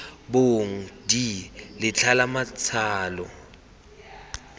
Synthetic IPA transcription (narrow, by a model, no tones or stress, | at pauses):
boŋ̩dilɪt͡ɬʰalamat͡sʰaːlɔ